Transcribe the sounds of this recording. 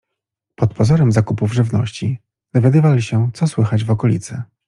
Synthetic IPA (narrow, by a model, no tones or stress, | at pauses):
pɔt̪pɔzɔɾɛmzakupuvʐɘvnɔ̰ɕt͡ɕi | d̪ɔvʲjad̪ɘvalʲiɕɛt̪sɔswɘxad͡ʑvɔkɔlʲḭt̪sɛ